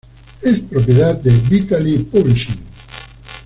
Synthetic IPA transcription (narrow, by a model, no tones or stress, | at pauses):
espɾop̬jet̪ad̪ebit̪alipoɾiʃi